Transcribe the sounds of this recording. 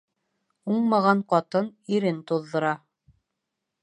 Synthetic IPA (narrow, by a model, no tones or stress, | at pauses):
uɴmɑʁɑɴqɑt̪ɤniɾɘnt̪uðːɤ̆ɾɑ